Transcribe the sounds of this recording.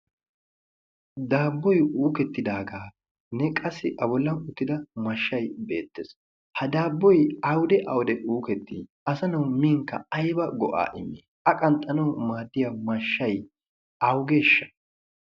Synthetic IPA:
d̪aːbːɔjuːkɛt̪ːɪd̪aːɡaː | nɛkʼɐsɪʔɐbɔlːɐnʊt̪ːɪd̪ɐmɐʃːɐjbe̞ːt̪ːes | hɐd̪aːbːɔjɐwd̪ɛʔɐwd̪ɛʔuːkɛt̪ːḭː | ɐsɐnɐwmiːŋkːɐ̰ɐjbɐɡɔʔa̰ːʔɪ̰mːeːʔɐkʼɐnt̪ʼːɐnɐwmaːd̪ːɪjamɐʃːɐj | ʔɐwɡeːʃːɐ̥

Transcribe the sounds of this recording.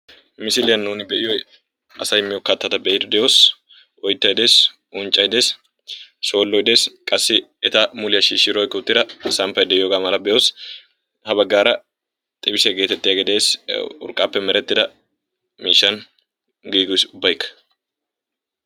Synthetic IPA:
mɪsɪlɪjɐnːuːnɪbɛʔɪjɔj | ɐsɐjmːɪjɔkːɐt̪ːɐt̪ɐbɛʔɪd̪ʊd̪ɛjoːs | ʔɔjt̪ːɐjd̪eːs | ʔʊnt͡ʃʼːɐjd̪e̞ːs | ʃo̞ːlːɔjɪd̪e̞ːskʼɐsːɪɛt̪ɐmʊlɪjɐʃiːʃːɪɾɔjkːʊt̪ːɪd̪ɐsɐmpɐjd̪ɛjoːɡaːmɐlɐbɛʔoːs | hɐbɐɡːaːɾɐ | t̪ʼɪbɪsɛɡe̞ːt̪ɛt̪ːɪjaɡɛd̪e̞ːsʊ̰ɾkʼːaːpːɛmɛɾɛt̪ːɪd̪ɐ | miːʃːɐn | ɡiːɡʊsʊbːɐjkːɐ̥

